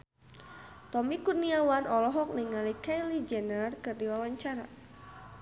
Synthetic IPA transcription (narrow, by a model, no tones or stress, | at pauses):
t̪ɔmikurniawanɔlɔɦɔk̚niŋalikajlid͡ʒɛnərkərdiwawaɲt͡ʃaɾa